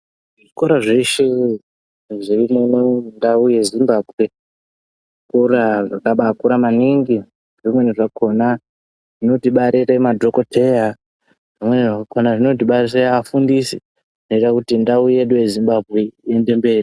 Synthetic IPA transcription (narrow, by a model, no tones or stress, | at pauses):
ʐikoɾaʐeʃe | ʐirimunondauje̞zimbaːbʱwe̞ | akuɾaʐakaɓakuɾamaniŋɡi | ʐimwe̞niʐakʰo̞na | ʐ̥ino̞tiɓaɾeremadʱoko̞tʰe̞ja | ʐimwe̞niʐakakonaʐino̞t̬iɓaieafundisi | no̞itakutindauje̞ɗujezimbabʱɣe̞ende̞mbe̞ːri